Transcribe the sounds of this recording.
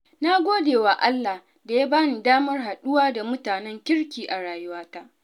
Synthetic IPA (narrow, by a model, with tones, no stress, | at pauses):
na˦ɡʷoː˦deː˨wa˨ʔa˦lːa˨ | da˨ja˦baː˦niː˨daː˦mɐ˦rɦa˨ɗʊ˦waː˦da˨mʊ˦taː˨nɛ˦ŋkʲɪ˦ɽkʲiː˨ʔa˨ɽaː˨jʊ˦waː˦ta˦ʔ